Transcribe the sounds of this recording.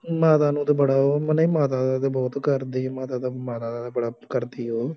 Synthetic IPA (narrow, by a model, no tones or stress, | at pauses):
maːt̪aːnũːt̪aːbəɽaːoːməneiːmaːt̪aːd̪ad̪ebɔːt̪kəɾd̪iːmaːt̪aːd̪amaːt̪aːd̪aːd̪aːbəɽaːkəɾd̪iːoː